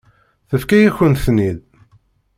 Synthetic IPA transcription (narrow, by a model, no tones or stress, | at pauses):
θəfkæjæçənθnið